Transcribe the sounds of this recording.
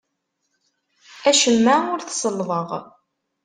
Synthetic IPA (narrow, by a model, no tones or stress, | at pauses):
æʃəmːæʊɾθsˤəlːvəʁ